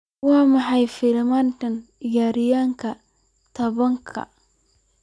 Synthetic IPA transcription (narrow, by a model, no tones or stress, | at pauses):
wɑːmɑħɑjfɪlmantɐnɪjaːɾɪjaːŋkʰɐ | t̪ʰɐβɐŋkʰɐ̰